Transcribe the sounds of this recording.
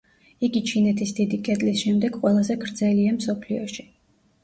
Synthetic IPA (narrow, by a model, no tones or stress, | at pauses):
iɡit͡ʃʰinɛt̪ʰisd̪̥id̪ikʼɛt̪ʼlisʃɛmd̪ɛɡqʼwɛlˠazɛɡɾd̪zɛliamsɔpʰliɔʃi̥